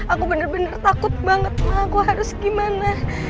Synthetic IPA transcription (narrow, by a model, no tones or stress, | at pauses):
ʔakubənərbənərt̪akʊt̪̚baŋət̪̚maakuɦaɾʊsɡimana